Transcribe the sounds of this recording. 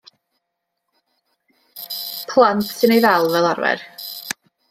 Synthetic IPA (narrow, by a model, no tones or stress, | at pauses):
pʰlˠantʰsɪnejvalˠvɛlˠaɾvɛ̰r